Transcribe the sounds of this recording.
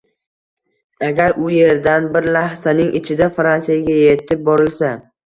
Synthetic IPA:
aɡʲaɾʊje̞ɾd̪anbɪɾlahsanɪŋʔɪt͡ʃʰɪd̪afɾansijaɡʲaje̞t̪ʰɪp̚bɒɾɪlsa

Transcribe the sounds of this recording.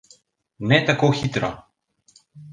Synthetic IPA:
nɛt̪akoxit̪ɾɔ

